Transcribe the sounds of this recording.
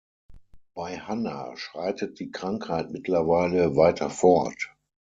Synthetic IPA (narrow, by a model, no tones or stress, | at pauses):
b̥aɪhana̰ʃʁ̥aɪtət̚d̥iːkʁ̥aŋkhaɪtmɪtlɐvaɪləvaɪtʰɐfɔɐt